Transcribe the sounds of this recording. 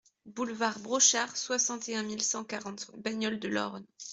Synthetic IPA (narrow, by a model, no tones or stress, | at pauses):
bulvaʁbʁɔʃaʁswasɑ̃t̪eɛ̃milsɑ̃kaʁɑ̃t̪baɲɔld̪əlɔ̰ʁn